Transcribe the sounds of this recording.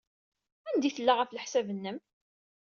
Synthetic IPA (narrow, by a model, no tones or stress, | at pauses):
ænd̪iθəlːaʁafləħsævənːəm